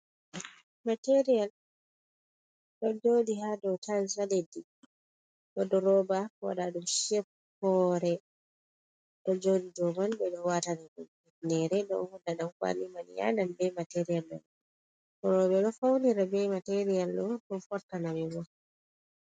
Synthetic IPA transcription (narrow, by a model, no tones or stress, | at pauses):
mateɾijal | ɗɔd͡ʒodihadɔtʰansaledi | ɓɔdɔɾɔbakɔwa̰ɗaɗumʃef | kɔɾɛ | ɗɔd͡ʒodid͡ʒɔmanbɛɗɔwatanaɗɔm | inɛɾɛdɔ̰hɔndaɗamfa̰nimanḭja̰danbɛmateɾijalɗɔ̰n | kɔɾɔbɛɗɔfawniɾabɛmateɾijalɗɔɗɔfɔɾtanamɛwɔ